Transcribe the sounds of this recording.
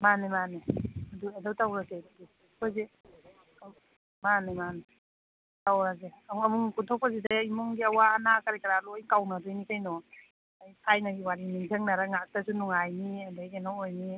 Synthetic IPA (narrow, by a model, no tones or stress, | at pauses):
manimaniaduedawtawɾazeddi | paze | manimane | tawɾazeaŋamuŋkuntʰɔk̚pʰazidaimɔŋɡiɐwaːnakaɾikaɾalojkawnadojnikʰajnɔ | ajsʰajnaɡiwaɾiniŋzaŋnaɾaŋak̚tasunuŋajniadajenawojni